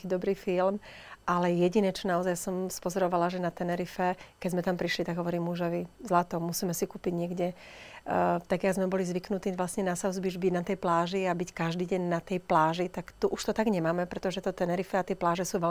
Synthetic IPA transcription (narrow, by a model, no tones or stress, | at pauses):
kiːd̪ɔbɾiːfilmʔalɛjɛɟinɛt͡ʃɔnaɔzajsɔmspɔzɔɾɔʋalaʒɛnat̪ɛnɛɾifɛkɛɟzmɛt̪ampɾiʃlit̪aɡɦɔʋɔɾiːmːuʒɔʋizlat̪ɔmusiːmɛsikuːpiɟɲɪɛɡɟɛ | t̪aɡjaɡzmɛbɔlizʋiknut̪iːʋlasɲɛnasaʊzbiʒbiɟnat̪ɛjplaːʒiabickaʒd̪iːɟɛɲnat̪ɛjplaːʒit̪akt̪uʔuʃt̪ɔt̪aɡɲɛmaːmɛpɾɛt̪ɔʒɛt̪ɔt̪ɛnɛɾifɛat̪ɪɛplaːʒɛsuːʋɛl